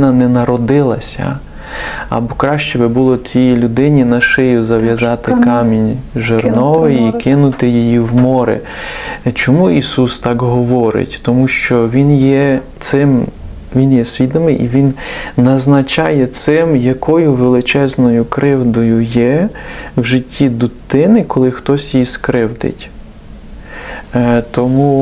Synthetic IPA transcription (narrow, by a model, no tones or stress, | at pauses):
nɐnɛnɐɾɔd̪ɪlˠɐsʲɐ̰ | ɐ̰bɔkɾɑʃt͡ʃɛbɛbulˠɔt̪ʲijilʲʊd̪ɪnʲinɐʃɪjʊzɐʋjɐzɑt̪ɪkɑmʲinʲʒernɔʋɪikɪnʊt̪ɪjijiwmɔɾɪ̰ | t͡ʃɔmuisust̪ɑkɦɔʋɔɾɪ̰tʲt̪ɔmuʃt͡ʃɔʋʲinjɛt̪sɪm | ʋʲinjɛsʲʋʲid̪ɔmɪjʔiʋʲinnɐznɐt͡ʃɑjɛt̪sɪmjɐkʰɔjʊʋelˠɪt͡ʃɛznɔjʊkɾɪwd̪ɔjʊjɛwʒɪtʲːid̪ʊt̪ɪnɪkɔlˠɪxt̪ɔsʲjjiskɾɪwd̪ɪ̰tʲ | t̪ɔmu